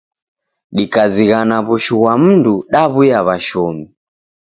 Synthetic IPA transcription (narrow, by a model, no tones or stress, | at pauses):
ɗikaziɣanaβuʃuɣwam̩nduɗaβujaβaʃɔmi